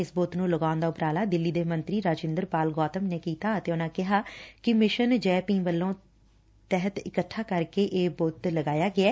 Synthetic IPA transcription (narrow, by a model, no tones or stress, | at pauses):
ɪsboːt̪nũːləɡaːʊnd̪aːʊpɾaːlaːd̪ɪlːiːd̪eːmənt̪ɾiːɾaːd͡ʒɪ̃nd̪əɾpaːlɡɔːt̪əmneːkiːt̪aːət̪eːʊnãːkɪɦaːkɪmɪʃənd͡ʒɛːpĩːʋəlːõː | t̪ɛɦət̪ɪkəʈʰːaːkəɾkeːʔeːboːt̪ləɡaːjaːɡɪɛː